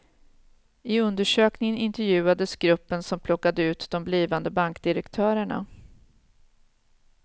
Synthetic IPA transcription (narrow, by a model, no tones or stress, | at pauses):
ɪɵnd̪əʂøːknɪŋənɪnt̪ɛɾjʉ̟ːad̪əsɡɾɵpːənsɔmpʰlɔkːad̪əʉ̟ːt̪d̪ɔmbliːvand̪əbaŋkd̪ɪɾɛkt̪ʰœːɾəɳa̰